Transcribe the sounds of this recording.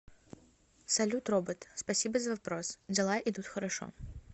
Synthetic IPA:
sɐlʲut̪rɔbɨt̪spɐsʲibəzɐvapɾɔsd͡zʲɪlˠaʔit̪ut̪xɐɾaʂɔ̰

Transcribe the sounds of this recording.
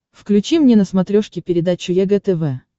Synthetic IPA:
fklʲʉt͡ɕimnʲenəsmɐt̪ɾʲoʂkʲɪpʲɪɾʲɪd̪at͡ɕːʊjɛɡɛt̪ɛvɛ

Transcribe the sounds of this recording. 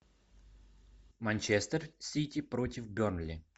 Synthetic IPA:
mɐnʲt͡ɕɛst̪ərsʲitʲɪpɾotʲɪfbʲornlʲɪ

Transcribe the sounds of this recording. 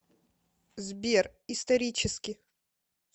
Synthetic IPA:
zʲbʲerist̪ɐɾʲit͡ɕɪskʲɪ

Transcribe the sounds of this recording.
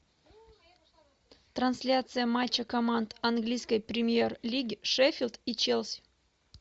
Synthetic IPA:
t̪ɾansʲlʲat̪sɨjəmat͡ɕːəkɐmand̪ɐnɡlʲijskəjpɾʲɪmʲjerlʲiɡʲʂɛfʲilʲˠd̪it͡ɕelʲˠsʲ

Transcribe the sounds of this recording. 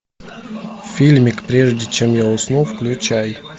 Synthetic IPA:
fʲilʲmʲɪkpɾʲeʐdʲɪt͡ɕemjaʊsnufklʲʊt͡ɕaj

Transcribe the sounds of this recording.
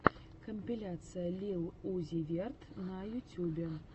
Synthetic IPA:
kɐmʲpʲilʲat̪sɨjɐlʲiwˠuzʲivʲɛrt̪nɐjut͡sʲubʲɛ

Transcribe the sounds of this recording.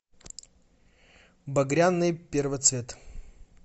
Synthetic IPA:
bɐɡɾʲanːɨjpʲervət̪svʲet̪

